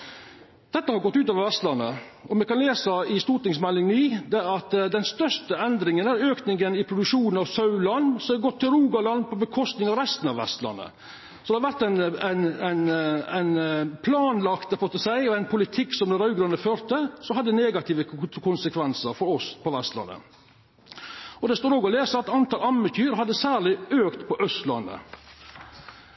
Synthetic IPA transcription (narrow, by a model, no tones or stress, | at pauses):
d̪̥ɛt̪ːəhɑɾɡɔt̪ːʉːoːʋəɾʋɛst̪lɑnːə̰ʔɔmɛkʰɑnleːsəɪst̪uːɾʈɪŋsmɛlːɪŋniːd̪ɛæɾɑt̪d̪ɛnst̪œʂʈəɛnd̪ɾɪŋənæɾøːknɪŋənɪpʰɾʊd̪ʉkʂuːnnɑʋsɑʉlɑnːsɔɡɔt̪ʰːɪlɾuːɡɑlɑnpʰɔbəkʰɔst̪nɪŋɑʋɾɛst̪ənɑʋɛ̰st̪lɑ̰nːə̰ | sɔd̪ɛhɑɾʋæɾt̪æɪnæɪnæɪnæɪnpʰlɑːnlɑkt̪ɛfɔt̪əsæɪɔæɪnpʰʊlɪt̪ʰɪkːsɔmd̪ɛɾɑʉɡɾʉnəføːɾt̪əsɔhɑd̪ːd̪əneːɡɑt̪ʰiːʋəkʰʊnsəkʰʋɛnsəɾfɔɾɔspʰɔʋɛst̪lɑ̰nːə̰ | ɔd̪ɛst̪oːɾoːɡɔleːsəɑt̪ɑnt̪ɑːlɑmːəç̪ʰyːɾɦɑd̪ːəsæːɾɭɪøːkt̪pʰɔʔœst̪lɑ̰nːə̰